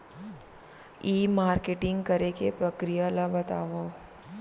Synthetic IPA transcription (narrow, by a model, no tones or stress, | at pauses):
iːmaːɾkeʈɪ̃ŋɡkɐɾekepɾɐkɾijalabɐt̪a̰ːʋo